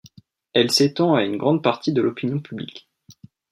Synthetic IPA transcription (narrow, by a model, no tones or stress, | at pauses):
ɛlset̪ɑ̃aynɡʁɑ̃d̪̚paʁt̪id̪əlɔpinjɔ̃pʰyblḭk